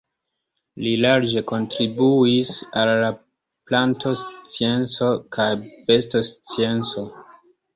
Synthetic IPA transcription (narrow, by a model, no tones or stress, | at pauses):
lilaɾd͡ʒe̞ko̞ntɾibuisalːa | plantʰo̞st͡sie̞nt͡so̞kʰajbe̞stost͡sie̞nt͡so̞